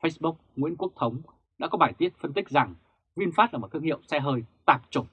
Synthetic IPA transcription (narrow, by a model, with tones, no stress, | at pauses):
fə˧˥jsɓʊ˦˥k͡p̚ŋwḭ˧˥ənku˦˥ək̚t̪ʰə˨˦wŋ͡m | ɗa̰ː˥kɔ˨˦ɓaː˧˩jt̪i˦˥ət̚fə˧nt̪ï˦˥k̟̚za˨˩ŋ | vi˧ənfaː˦˥t̚laː˨˩m˨˩t̚t̪ʰɨ˧əŋhḭ˧˨ə˨wsɛ˧ɦəː˧jt̪aː˨˩p̚t͡ɕo˧˩m